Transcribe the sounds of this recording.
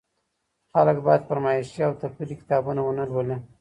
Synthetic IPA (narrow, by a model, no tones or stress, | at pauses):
xaləkbɑjad̪̚pəɾmɑiʃiawt̪afilikɪ̥t̪ɑbunawənəlwəle